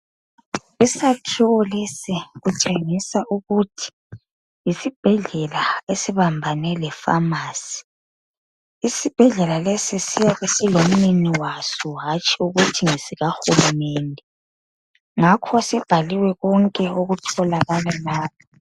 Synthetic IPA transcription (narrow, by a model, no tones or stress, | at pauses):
isatʰuwɔlesiɣut͡ʃʼeŋisaʔuɣutʰi̥ | jisib̥ʱɛɮɛlaesiβambʱanɛlɛfa̰maːsi̥ | isib̥ʱɛɮɛlalesisijaɣesilom̩niniwasɔɦat͡ʃʼiuɣutʰiŋesiɣaxulumɛːndʱɛ | ŋakʰɔsib̥ʱaliwɛɣɔŋkʼɛoɣutʰɔlaɣalalaːβɔ